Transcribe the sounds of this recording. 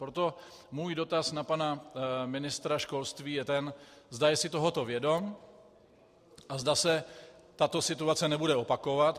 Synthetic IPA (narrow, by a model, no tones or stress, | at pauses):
pɾot̪o̞ | muːjdo̞t̪asnapanamɪnɪst̪ɾaʃko̞lst̪viːjɛt̪ɛnzdajɛsɪt̪o̞ɦo̞t̪o̞vjɛdo̞m | ʔazdasɛt̪at̪o̞sɪt̪uat͡sɛnɛbudɛo̞pako̞vat̪